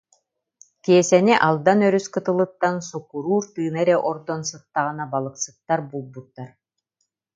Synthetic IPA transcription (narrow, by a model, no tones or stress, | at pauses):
kiɛsɛniʔalˠd̪anœɾyskɯt̪ɯlˠɯt̪ːansukːuɾuːɾt̪ɯːnɛɾɛʔɔɾd̪ɔnsɯt̪ːaʁɯnabalˠɯksɯ̥t̪ːaɾbulˠbut̪ːaɾ